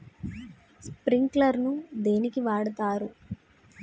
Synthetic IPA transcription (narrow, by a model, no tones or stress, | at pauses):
spɾiŋklɐɾnud̪e̞ːnikiʋaːɽɐt̪aːɾu